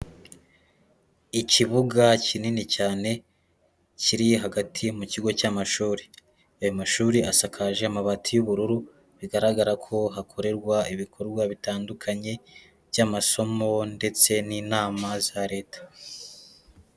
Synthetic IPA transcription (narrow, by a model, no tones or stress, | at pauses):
iciβuɡacininicaːne̞ | ciɾiɦaɡatʰimuciɡo̞camaʃuːɾi | ajomaʃuːɾiʔasakʰaʒeamaβatʰijuβuɾuɾu | βiɡaɾaɡaɾakʰo̞ɦakʰo̞ɾe̞ɾɡwaiβikʰo̞ɾɡwaβitaːndukʰaɲe̞ | βjamaso̞mo̞nde̞t͡se̞niːnaːmazaɾe̞ːtḁ